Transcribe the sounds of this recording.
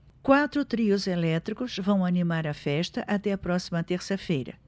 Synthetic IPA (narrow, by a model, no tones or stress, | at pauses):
kwat̪ɾʊt̪ɾiʊzelɛt̪ɾikʊzvɐ̃w̃ɐnimaɾɐfɛʃt̪ɐʔɐt̪ɛɐpɾɔsimɐt̪eɾsɐfejɾɐ̰